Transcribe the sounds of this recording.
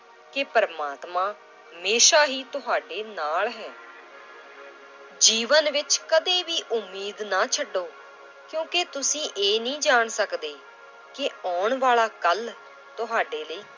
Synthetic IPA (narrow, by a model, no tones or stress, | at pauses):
kɪpəɾmaːt̪mãː | ɦəmeːʃaːɦiːt̪ʊɦaːɖeːnaːlɦɛː | d͡ʒiːʋənʋɪt͡ʃkəd̪eːʋiːʔʊmːiːd̪naːt͡ʃʰəɖːoː | kjõːket̪ʊsĩːʔeːnĩːd͡ʒaːɳsəkd̪eː | kɪaːɳʋaːɭaːkəl | t̪ʊɦaːɖeːləiː